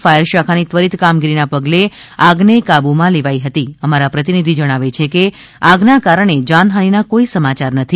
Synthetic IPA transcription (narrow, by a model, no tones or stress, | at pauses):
fajəɾʃakʰanit̪ʋəɾit̪kamɡiɾinapəɡleaɡnekabumãleʋaiɦət̪iəmaɾapɾət̪inid̪ʱid͡ʒəɽ̃aʋet͡ʃʰekeaɡnakaɾəɳ̃ed͡ʒanɦaninakoisəmat͡ʃaɾnət̪ʰi